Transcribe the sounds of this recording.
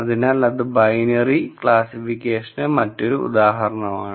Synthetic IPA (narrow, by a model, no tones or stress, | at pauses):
ɐðinaːlɐðɨbɐjnɐrikɭaːsifikʲːeːʂɐnɨmɐtːoɾuṵd̪aːɦɐɾɐɳɐmaːɳɨ